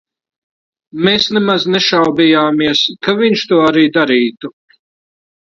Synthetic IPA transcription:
meːsnemazneʃawb̪ijaːmiɛskaviɲʃt̪uɔaɾiːd̪aɾiːt̪u

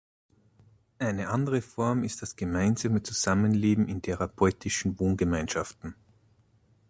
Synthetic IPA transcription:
ʔaɪnəʔandəʁəfɔɐmɪst̚d̥asɡ̥əmaɪnzamət͡suz̥amənleːbm̩ɪntʰɛʁapʰɔʏtʰɪʃn̩voːnɡəmaɪnʃaftn̩

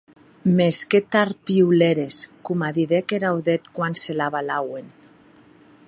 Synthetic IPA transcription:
mesket̪aɾpiuleɾeskumaðiðekeɾawðet̪kwanselaβalawen

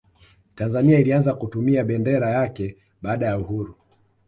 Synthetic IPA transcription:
tanzaniailianzakutumiaɓɛndɛɾajakɛ | ɓaːɗajauhuɾu

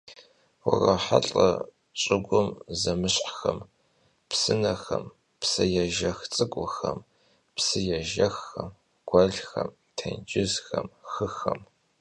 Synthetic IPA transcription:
wʊrɐħa̰ɬʼɐ | t͡ʃʼɪɡʷʊmzɐmɨɕħxɐm | psɨnɐxɐm | psɨjɛʒɐxt͡sʼɨkʷʼʊxɐm | psɨjɛʒɐxːɐm | ɡ̥ʷɐɮxɐm | tʰɐnd͡ʒɪzxɐmxɨxɐm

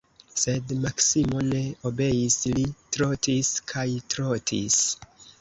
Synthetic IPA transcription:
se̞dmaksimo̞ne̞o̞be̞jislitɾo̞tiskʰajtɾotʰḭs

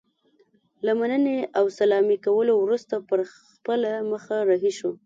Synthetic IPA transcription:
lamanəneawsalɑmikawəlowɾust̪apəɾxpəlaməxaɾaɦiʃo

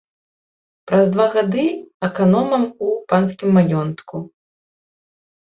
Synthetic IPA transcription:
pɾɐzd̪vaɣad̪ɨɐkanɔmɐmupanskʲimːajɔnt̪ku

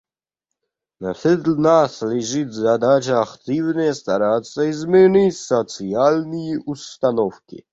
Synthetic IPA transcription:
nafʲɛd̪lnaslʲiʐɨt̪ʲzad̪at͡ɕaːkt̪ɨvnɛjst̪aɾat̪saizmʲɛnisɔt̪sjalnʲiust̪anɔfkʲḭ

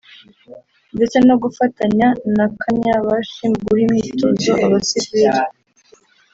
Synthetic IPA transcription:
nde̞t͡se̞no̞ɡufataɲanakʰaɲaβaʃimɡuɾimŋiːtoːnzoʔoɾosiviɾi

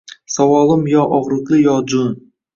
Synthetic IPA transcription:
sɒwɒlˠɪmjɒʔɒʁɾɨqlˠɪjɒd͡ʒʊn

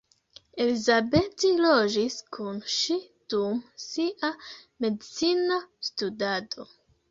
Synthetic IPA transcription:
e̞lizabe̞tilo̞d͡ʒiskʰunʃid̥umsiʔame̞dit͡sinastudado̞

